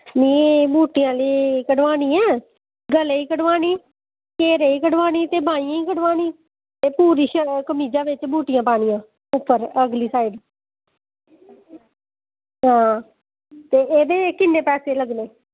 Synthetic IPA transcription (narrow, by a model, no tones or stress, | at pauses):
mĩːbuːʈɪjãːliːkəɖʋaːniːɛ̃ː | ɡəleːiːkəɽʋaːñiː | keːɾeːiːkəɖʋaːniːt̪eːbʱaːĩːãːiːkəɖʋaːniː | t̪eːpuːɾiːʃəkəmiːd͡ʒaːʋɪt͡ʃbʱuːʈɪjãːpaːɽ̃ijãː | ʊpːəɾəɡliːsaːiːɖ | ɦãː | t̪eːʔeːd̪eːkɪnːeːpɛːseːləɡneː